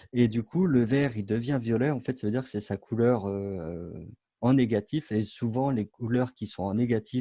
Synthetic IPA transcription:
ed̪ykʰuləvɛʁild̪əvjɛ̃vjɔlɛɑ̃fɛt̪savəød̪iʁkə̥sɛsakʰulœʁøø | ɑ̃neɡʲat̪ifesuvɑ̃lekʰulœʁkʲisɔ̃ɑ̃neɡat̪ʰi

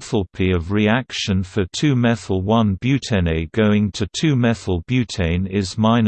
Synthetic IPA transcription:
θəl̩ˠpʰiəvɹiakkʃə̃nfətʰʉːmɛθəl̩ˠwʌ̃nbjʉˑtʰɛ̃neɪɡ̥əʊɪ̃ŋtʰətʰʉːmɛθəl̩ˠbjʉtʰẽɪ̃nɪzmãɪ̃n

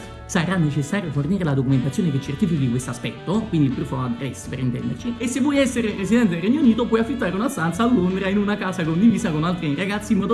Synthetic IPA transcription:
saɾanːet͡ʃesːaːɾjoforniːɾelad̪okument̪at̪sjoːneket͡ʃːert̪iːfikd̪ikwest̪oaspɛt̪ːokwind̪ilpɾuːfoad̪rɛspeɾint̪ɛ̰nd̪ḛrt͡ʃiesːevːwɔjɛsːeɾepɾes̬id̪ɛnt̪̬ed̪elrːɛɲːouniːt̪opwɔjafːit̪ːaːɾeunast̪ant̪saːlːond̪ɾainunakaːsakond̪iviːsakonalt̪ɾiraɡat̪simɔːd̪o

